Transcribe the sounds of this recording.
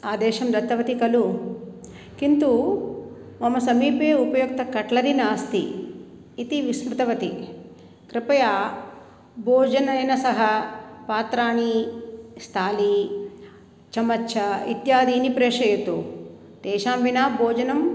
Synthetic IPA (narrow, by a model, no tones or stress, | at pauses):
aːd̪eːʃɐmɾɐt̪ːɐʋɐt̪ikɐlu | kint̪u | ʋɐmɐsɐmiːpeːupɐjok̚t̪ɐkɐʈlɐɾinaːst̪iː | t̪iʋismut̪ɐʋɐt̪i | kɾɪpɐjaː | boːd͡ʒɐnɐjnɐsɐɦɐpaːt̪ɾaːɳi | st̪ʰaːli | t͡ʃɐmɐtːʃʰɐḭt̪jaːd̪iːnipɾeːʂɐjɐt̪u | t̪eːʃaːmbinaːboːd͡ʒɐnɐm